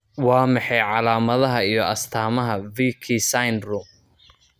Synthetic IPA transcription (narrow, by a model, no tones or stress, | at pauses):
wɑːmɑħɛjʕɑlaːmɐðɐɦɐijɞʔɐst̪ʰaːmɐɦɐviːkʰisajnrum